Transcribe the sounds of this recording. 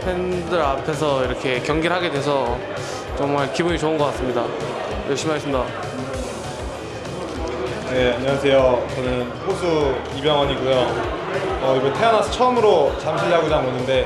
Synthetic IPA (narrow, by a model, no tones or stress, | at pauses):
pʰendɯɾapʰe̞s̬ʰʌiɾʌkʰe̞kjʌŋɡiɾɦaɡe̞dwe̞sʰʌ | t͡ɕʌŋmaɭkibuɲit͡ɕoɯnɡʌk͈ats͈ɯmɲida | mʔa̰ɭɕ͈ʰimiɦaɕʰimda | neaɲiwasʰe̞jot͡ɕʌnɯnɸosʰuibjʌŋʌɲiɡujo | ʌiɡʌntʰe̞ʌnasʰʌt͡ɕʰʌmɯɾot͡ɕamɕʰiʎːaɡod͡ʑamonːɯnde̞